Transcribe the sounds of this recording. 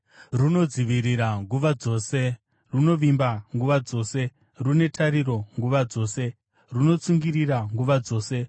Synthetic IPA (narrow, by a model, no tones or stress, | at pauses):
runo̞d͡ziʋiɾiɾaŋɡuʋad͡zo̞ːse̞ | runo̞ʋimbaŋɡuʋad͡zo̞ːse̞ | rune̞tʰaɾiɾo̞ŋɡuʋad͡zo̞ːse̞ | runo̞t͡suŋɡiriɾaŋɡuʋad͡zo̞ːse̞